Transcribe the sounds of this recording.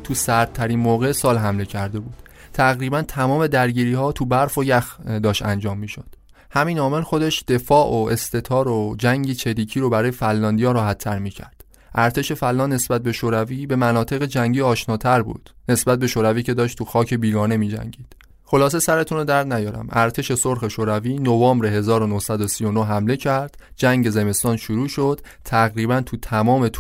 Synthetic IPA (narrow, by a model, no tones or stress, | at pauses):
t̪ʰusæɾt̪̚t̪ʰːæɾiːnmoːɣesɒːlɦæmle̞cʰæɾd̪e̞buːd̪ | t̪ʰæɣɾiːbænt̪ʰæmɒːme̞d̪æɾɟiːɾiːhɒːt̪ʰubæɾfojæxd̪ɒːʃt̪æ̰nd͡ʒɒːmːiːʃod̪̥ | hæmiːnɒːme̞lxo̞d̪e̞ʃd̪̥e̞fɒːʔoe̞st̪ʰe̞t̪ʰɒːɾod͡ʒæŋɟit͡ʃʰeɾiːcʰiːɾobæɾɒːje̞fælːɒːnd̪ijɒːɾɒːhæt̪ʰːæɾmiːcʰæ̰ɾd̪̥ | ʔæɾt̪ʰe̞ʃe̞fælːɒːnnːe̞sbæt̪̚be̞ʃoːɾæviːbe̞mænɒːt̪ʰe̞ɣe̞d͡ʒæŋɟiːɒːʃnɒːt̪ʰæɾbṵːd̪̥ne̞sbæt̪̚be̞ʃoːɾæviːcʰe̞d̪ɒːʃt̪ʰuxɒːcʰe̞biːɡɒːne̞miːd͡ʒæ̰ŋɟiːd̪̥ | xo̞lɒːs̬e̞sæɾe̞t̪ʰuːnod̪æɾd̪næjɒːɾæ̰mæɾt̪ʰe̞ʃe̞soɾxe̞ʃoːɾæviːnovɒːmbɾe̞ɦe̞zɒːɾonohsæd̪osijo̞noɦæmle̞cʰæɾd̪̥d͡ʒæŋɟe̞ze̞me̞st̪ɒːnʃuɾuːʃo̞d̪̥ | t̪ʰæɣɾiːbænt̪ʰut̪ʰæmɒːme̞t̪ʰ